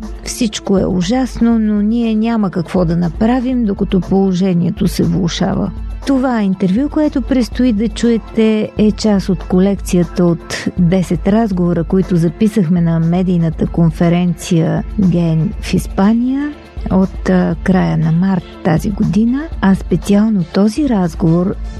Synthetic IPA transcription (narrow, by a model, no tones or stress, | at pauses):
fsit͡ʃkoɛ̰ʊʒasnononʲiɛnʲaməkɐkv̥ɔd̪ɐnɐpɾavimd̪okɐt̪ɔpolˠoʒɛniɛt̪osɛvlˠʊʃa̰və̰t̪ovaint̪ɛɾvʲjukoɛt̪ʊpɾɛst̪ʊid̪ɐt͡ʃuɛt̪ɛɛt͡ʃasot̪kolɛkt̪sijət̪əot̪d̪ɛsɛt̪ɾazɡovoɾəkoit̪ʊzɐpisəxmɛnɐmɛd̪ijnət̪əkonfɛɾɛnt̪sijəɡɛnfispanijə | ot̪kɾajənɐmaɾt̪ːa̰zḭɡod̪inəɐspɛt̪sialˠnot̪ɔziɾazɡovoɾ